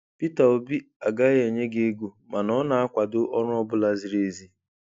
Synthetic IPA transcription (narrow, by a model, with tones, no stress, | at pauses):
pi˦ta˨o˨bi˦a˨ɡa˦je˨ɲe˦ɡe˦ɡu˨ | ma˨nɔ˦na˨a˦kʷa˨dʊ˦ʔɔ˦ɾʊ˦ɔ˦bʊ˦la˦zi˨ɾe˨zi˦